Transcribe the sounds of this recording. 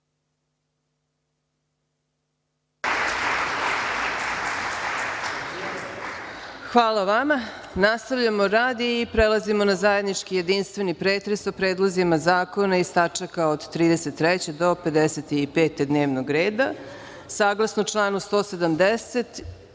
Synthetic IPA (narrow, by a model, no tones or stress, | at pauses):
xʋaːlˠaʋamanast̪aʋʎamoɾaːd̪iːpɾelˠazimo̞nazaje̞d̪nit͡ʂkije̞d̪inst̪ʋe̞nipɾeːt̪ɾe̞sopɾeːd̪lˠozimazaːko̞naist̪at͡ʂakaod̪t̪ɾiːd̪ese̞t̪ːɾɛt͡ɕe̞d̪o̞pe̞d̪eset̪iipe̞ːt̪e̞d̪neːʋnoɡɾe̞ːd̪a | saːɡlˠasnot͡ʂlˠaːnust̪o̞ːsed̪amd̪eset̪